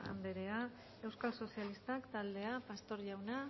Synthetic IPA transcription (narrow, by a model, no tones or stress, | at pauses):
a̰nd̪e̞ɾe̞a | e̞wskalso̞sialist̪akt̪ald̪e̞apast̪o̞ɾʝawna